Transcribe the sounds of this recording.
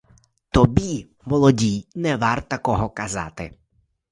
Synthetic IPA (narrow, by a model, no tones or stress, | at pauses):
t̪ɔbʲi | mɔlˠɔdʲijnɛʋart̪ɐkɔɦɔkɐzɑ̰t̪ɪ